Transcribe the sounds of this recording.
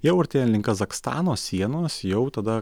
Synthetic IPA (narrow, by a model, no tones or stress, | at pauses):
jɛʊɐɾt̪ʲeːnʲlʲɪŋkɐzɐkst̪ɑ̰ːnoːsʲiɛnoːsjɛʊt̪ɐd̪ɐ